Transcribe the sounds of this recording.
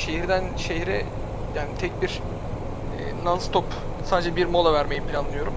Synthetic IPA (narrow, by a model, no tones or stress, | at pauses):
ʃeɦiɾd̪ænʃeɦɾɛ | jaːnit̪ʰɛcbiɾ̰ | nanst̪op | saːd̪ed͡ʒɛbiɾmo̞lˠavæɾme̞jipʰlʲanˠɯjo̞ɾum